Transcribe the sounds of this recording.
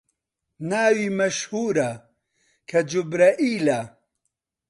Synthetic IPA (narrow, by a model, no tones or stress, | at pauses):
naːwiːmɐʃhuːɾɐ | kʰɐd͡ʒubɾaʔiːla